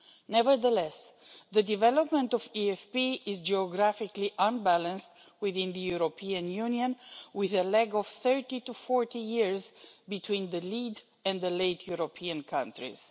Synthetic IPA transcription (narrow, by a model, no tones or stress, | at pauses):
nɛvəɹðəlɛs | ðədivɛlɔpmə̃ntɔviɛfpiɪzd͡ʒiɔɡɾæfɪkliʔə̃nbælə̃nst | wiðĩnðəjuɾopʰiə̃njũniə̃nwɪðəlɛɡɔv̥θɜ˞titufɔɹtijiɹzbitʰwĩnðəlid | ɛ̃nðəleɪtʰjuɹopʰiə̃nkʰãntɹḭz̥